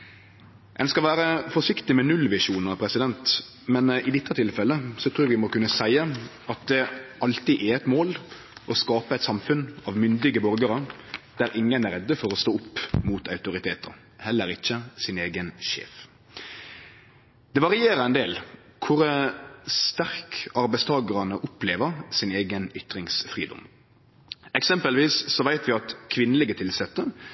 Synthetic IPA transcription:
ɛnskɑʋæːɾəfɔʂɪkt̪ɪmɛnʉlʋɪʂuːnəɾɑʋpʰɾɛsɪd̪ɛnt̪ | mɛnɪd̪ɪt̪ːət̪ʰɪlfɛlːəsɔt̪ʰɾuːʋɪmɔkʉnːəsæɪə | ɑt̪̚d̪ɛɑlt̪iːʔɛɛt̪moːl | ʔɔskɑːpəɛɪt̪sɑmfʉnɑʋmʏnd̪ɪɡəbɔɾɡəɾəd̪̥æɾʔɪŋːənæɾɛd̪ːəfɔɾɔst̪oːʊpːmuːt̪ɑʉt̪ʊɾɪt̪ʰeːt̪ə̰ɾ | hɛlːəɾɪçːəsɪneːɡənʃḛːf | d̪̥ɛʋɑʁɪeːɾəɛnd̪eːl | kʰʊɾ | st̪æʁkɑɾbæɪst̪ʰɑːɡəʁɑnəʔʊpleːʋəʁsɪneːɡənʏt̪ɾɪŋsfʁiːd̪ɔ̰m | ɛksɛmpəlʋiːsːɔʋæɪt̪ʋɪɑt̪kʰʋɪnəlɪɡət̪ʰɪlsɛt̪ːə

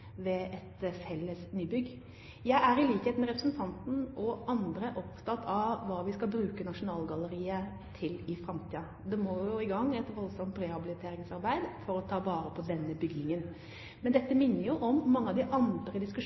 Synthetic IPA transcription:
ʋɛɛt̪sɛlːəsnyːbʏɡː | jæɪʔæɾɪliːkheːt̪nəɾɛpɾəsn̩t̪ʰɑnt̪n̩ɔʔɑnd̪ɾəʔɔpt̪ʰɑt̪ʰːɑʋʋɑːʋɪskɑlbɾʉːkənɑʂʊnɑːlɡɑləɾiːə | t̪ʰɪlɪfɾɑmt̪ʰiːɑ | d̪ɛmoːjʊɪɡɑŋːɛt̪ʋɔlsɔmt̪ɾɛhɑbɪlɪt̪ʰeːɾɪŋsɑɾbæɪd̪fɔɾɔt̪ʰɑːʋɑːɾəpʰɔd̪ɛnːəbʏɡnɪŋən | mɛnd̪ɛt̪ːəmɪnːəɾjʊʔɔmːɑŋːəɑʋd̪ɪʔɑnd̪ɾəd̪ɪskʉʂ

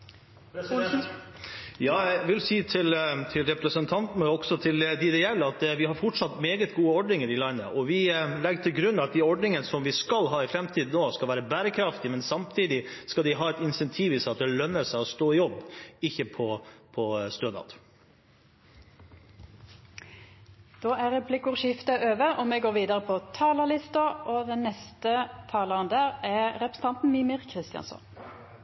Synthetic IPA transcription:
jɑːʋɪlsiːt̪ʰɪlt̪ʰɪlɾɛpɾəsənt̪ʰɑnt̪n̩əɔɡ̥sɔt̪ʰɪld̪ɪd̪ɛjɛlːəɑt̪ʋɪhɑɾfɔʈʂɑt̪meːɡət̪ɡuːəɔɖɳɪŋəɾɪlɑɪnəʔɔʋɪlɛɡʈ̪ʰɪlɡɾʉnːɑt̪̚d̪æɔɖnɪŋənsɔmʋɪskɑlɦɑːɪfɾɛmt̪ʰiːd̪noːskɑlʋæːɾəbæːɾəkʰɾɑft̪ɪmɛnsɑmt̪ʰiːd̪ɪskɑld̪ɪɦɑːɛt̪ɪnsɛnt̪ʰiːʋɪsɑt̪̚d̪ɛlœnːəsæɪɔst̪oːɪjɔbːɪçːəpʰɔpʰɔst̪øːnɑ̰ːt̪ | d̪̥oːæʁɛpʰlɪkʊʁʃɪft̪əʔøːʋəʔɔmeɡoːʁʋiːd̪əɾəpʰɔt̪ʰɑːləlɪst̪ɑʔoːd̪ɛnnɛst̪ət̪ʰɑːləʁənd̪æːʁæʁʁɛpɾəsə̥n̩t̪ɑnt̪n̩miːmɪʁkʰʁɪst̪ɪjɑ̰nsɔ̰n

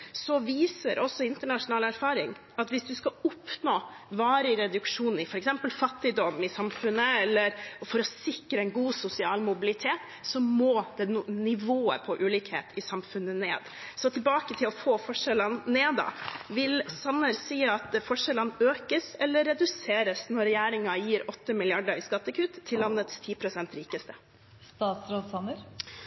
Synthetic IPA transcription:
sɔʋiːsəɾʔɔsɔɪnt̪əɳɑʂʊnɑːlæɾfɑːɾɪŋ | ɑt̪ʋɪsd̪ʉskɑʊpnoːʋɑːɾəɪɾɛd̪ʉkʂuːnɪfɔɾɛksɛmpəlfɑt̪ːɪd̪ɔmɪsɑmfʉnːəɛlːəɾfɔɾɔsɪkːɾəɛnɡuːsʊsɪɑːlmʊbɪlɪt̪ʰeːt̪ | sɔmoːd̪ɛnɪʋoːə̰pʰɔʔʉːliːkhḛːt̪ɪsɑmfʉnːənḛːd̪sɔt̪ʰɪlbɑːkət̪ʰɪlɔfoːfɔʂɛlənneːd̪ɑ̰ʋɪlsɑnːəɾsiːɑt̪fɔʂɛlənøːkəsɛlːəɾːɛd̪ʉseːɾəsnɔɾɛjæːɾɪŋɑjiːɾɔt̪ːəmɪlɪɑɖəɾɪskɑt̪ːəkʰʉːt̪ʰːɪlːɑnːət̪st̪ʰiːpʰɾʊsɛnt̪ɾiːkəst̪ə̥ | st̪ɑːt̪sɾoːd̪sɑnəɾ

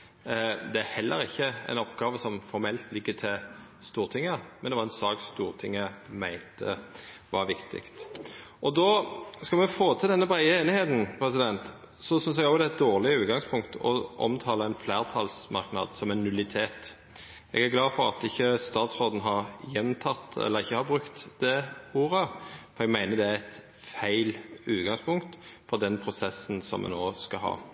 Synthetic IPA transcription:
d̪ɛæhɛlːəɾɪçːəæ̰ɪnɔpɡɑːʋəsɔmfɔɾmɛlt̪lɪɡːət̪ʰɪl | st̪uːʁt̪ʰɪŋːəmɛnd̪ɛʋɑɾʁɛnsɑːkst̪uːʁt̪ʰɪŋːəmæɪnt̪ʰəʋɑɾʋɪkt̪ʰɪ̰kt̪ʔɔd̪oːskɑlmɛfoːt̪ʰɪld̪ɛnːəbɾæɪəeːnɪheːt̪n̩pʰɾɛsɪd̪ɛnt̪ | sɔsʏns̬ɛɡɔɡd̪ɛæt̪̚d̪oːʁlɪəʉːt̪̚ɡɑŋspʰʊŋkt̪ɔ̰ʔɔ̰mt̪ʰɑːləæɪnfleːʁt̪ʰɑlsmɑɾknɑ̰ːd̪sɔmɛnːʉlɪt̪ʰeːt̪ | ʔɛ̰ɡæʁɡlɑːfɔɾɑ̰t̪ɪçːəst̪ɑːt̪sʁoːd̪n̩ɦɑʁjɛnt̪ʰɑt̪ːɛ̰lːəɾɪçːəhɑɾbɾʉkt̪d̪ɛuːɾəfɔʁɛɡmæɪnəd̪ɛææɪt̪ | fæɪlʉːt̪ɡɑŋspʊŋkt̪fɔʁd̪ɛnpʰɾʊsɛsːənsɔ̰mɛ̰noːskɑɦɑ̰ː

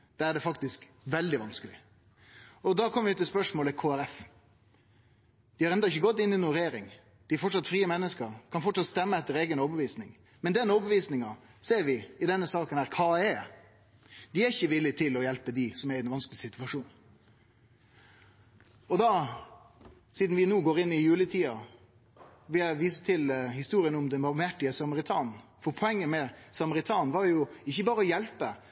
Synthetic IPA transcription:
d̪̥ɛæɖɛfɑk̚t̪ɪsk | ʋɛld̪ɪʋɑnskəlɪ̰ | ɔd̪ɑkʰɔmːəʋɪʉt̪ɪlspœʂmoːləkʰoːæɾɛf | d̪̥ɪhɑɾɛnd̪ɑɪçəɡɔt̪ːɪnɪnuːɾeːɾɪŋ | d̪̥ɪæɾfɔʈʂɑt̪ːfɾiːəmɛnːəskəɾkʰɑnfɔʈʂɑt̪st̪ɛmːəɛt̪ːəɾeːɡənoːbəʋiːsnɪ̰ŋ | mɛnd̪ɛnoːbəʋiːsnɪŋɑseːɾʋɪɪd̪ɛnːəsɑːkənhæːɾkʰɑːɛː | d̪ɪæɾɪçːəʋɪlːɪt̪ʰɪlɔjɛlpəd̪ɪsɔmæɾɛnʋɑnskəlɪsɪt̪ʉʋɑʂuːn | ɔd̪ɑ | siːd̪nʋɪnuːɡoːɾɪnːɪjʉːlət̪ʰiːɑ | ʋɪɛʋiːsət̪ʰɪlhɪst̪uːɾɪənʊmd̪ɛnbɑmæʈɪəsɑməɾɪt̪ʰɑ̰ːnn̩fɔɾpʰɔɛŋːəmɛsɑməɾɪt̪ʰɑːnʋɑɾjʊɪçːəbɑːɾəɔjɛlpə

